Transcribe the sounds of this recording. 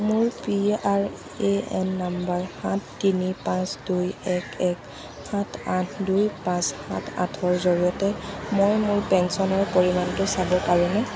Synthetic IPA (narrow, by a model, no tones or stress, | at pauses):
mʊɹpiaɹ | eɛnːambaɹhãtʰːinipãsdujɛkɛk | hãtʰãtʰdujpãshã̰tʰa̰tʰɔɹzoɹiɔtɛmojmʊɹpɛnsɔnɔɹpoɹimantʊsabɔkaɹɔnɛ